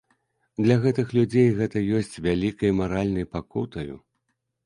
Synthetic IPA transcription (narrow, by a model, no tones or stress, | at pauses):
d̪lʲɐɣɛt̪ɨxlʲud͡zʲejɣɛt̪ɐjɔsʲt͡sʲvʲalʲikɐjmaɾalʲnɐjpakut̪ɐjṵ